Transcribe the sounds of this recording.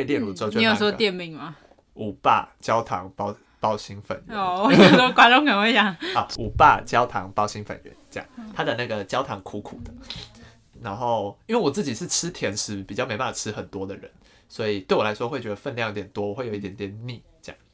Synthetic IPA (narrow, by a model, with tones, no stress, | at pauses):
e˥˧ljɛ˥˧nɻu˥˩˥o˨˩t͡ɕo˥e˦jo˨˩˥st̪jɛ˥˧nmi˥˩ŋma˨ | u˨˩pa̰˥˧t͡ɕjɑ˦ʊt̪ʰɑ̰˧˦ŋpɑ˦ʊ | pɑ˥ʊɕi˥ŋfa̰˨˩nɥ̰ɔ˨˩˥kwa˥nʈ͡ʂo˥˧ŋkʰə˨˩nə˧ŋwe˥˩t͡ɕjɑ˨˩ŋɔ˨˩u˨˩pa̰˥˩t͡ɕjɑ˦˥ʊt̪ʰɑ̰˧˦ŋpɑ˥˧ʊɕi˦˥ŋfa̰˨˩nɥɛ̰˧˦nt͡ɕjɑ̰˨˩ŋt̪ʰa˥d̪ə˨na˥˩ɡə˩t͡ɕjɑ˥ʊt̪ʰɑ˧˥˦ŋkʰu˧˥kʰu˨˩d̪ə˦ | na˧˦nxo˥˩ʊi˦nwe˥˩wɔ˨˩t͡sɹ̩˥˩t͡ɕi˨˩ʂɻ̩˥˩ʈ͡ʂʰɻ̩˦t̪ʰjɛ˧˥nʂɻ̩˧˥pi˨˩t͡ɕjɑ˥˩me˧ɪpa˥˩a˨˩ʈ͡ʂʰɻ̩ɨ˥xə˨˩nt̪wɔ˦d̪ə˨ɻə̰˧˦n | swɔ˧˥i˨˩t̪we˥˩ɪwɔ˨˩la˧˦ɪʂwɔ˥wt͡ɕɥɛ˧d̪ə˧fə˥˧nljŋjʊt̪ʲjɛ˨˩nt̪wɔ˥˦wɔ˨˩we˥˩ɪjo˨i˥˩t̪jɛ˨˩nt̪jɛ˨˩nni˥˩ | t͡ɕjjɑ̰˥˩ŋ